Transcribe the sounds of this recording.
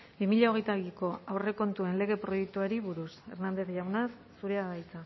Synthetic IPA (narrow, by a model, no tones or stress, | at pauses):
bimiʎao̞ɣ̞e̞jt̪aβiko̞awre̞ko̞nt̪ue̞nle̞ɣe̞pɾo̞jek̚t̪uaɾiβuɾuse̞ɾnand̪e̞θʝawnasːuɾeaβajt͡sa